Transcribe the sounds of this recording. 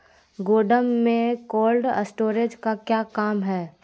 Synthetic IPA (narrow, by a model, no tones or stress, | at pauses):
ɡoːɖəmːẽkoːlɖəsʈoːɾed͡ʒkakjaːkaːmɦɛː